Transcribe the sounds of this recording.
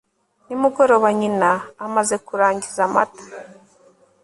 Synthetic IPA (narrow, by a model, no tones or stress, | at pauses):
nimuɡo̞ɾo̞βaɲinaːmaze̞kuɾaːɲɟizama̰tḁ